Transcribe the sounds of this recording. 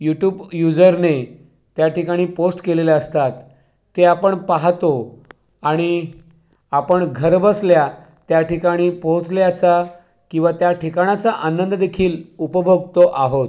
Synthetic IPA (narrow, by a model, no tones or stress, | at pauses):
juʈjuːbjud͡zəɾne | t̪jaʈikaɽ̃iːposʈkeleleəst̪at̪ː | eapəɳpaɦt̪o | aɽ̃i | apəɳɡʱəɾbəslja | t̪jaʈikaɽ̃iːpõt͡sljat͡sa | kĩw̃ʋat̪jaʈʰikaɳ̃at͡saʔanənd̪əd̪ekʰiːlupəbʱəɡ̚t̪oʔaɦot̪